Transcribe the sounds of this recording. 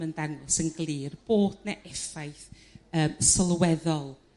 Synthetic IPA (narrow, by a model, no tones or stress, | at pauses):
məndaŋɔsənɡlˠiːrb̥oːdnaʔɛfajθ | əːmsəlˠwɛðɔlˠ